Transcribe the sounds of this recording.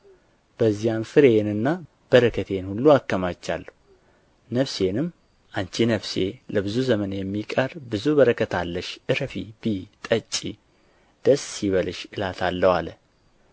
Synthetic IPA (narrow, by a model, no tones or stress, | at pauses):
b̥əzːijanfɨɾenɨnːa | b̥əɾəkʰət̪ʰenhulːuakːəmat͡ʃːa̰lːəu | nəfse̞nɨmː | ʔaɲt͡ʃinəβse̞ləbɨzuzəmənjɛmːikʼəɾbɨzubəɾəkʰət̪ʰalːəʃʔɨɾfibit̪ʼət͡ʃʼːi | d̪̥əsiβəlɨʃɨlat̪ʰalːəwa̰lə